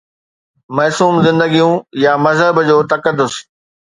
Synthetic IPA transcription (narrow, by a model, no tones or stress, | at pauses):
mɐːsuːmzɪ̃nd̪əɡijũjamɐzɦəbd͡ʑoːt̪ɐkəd̪ːʊs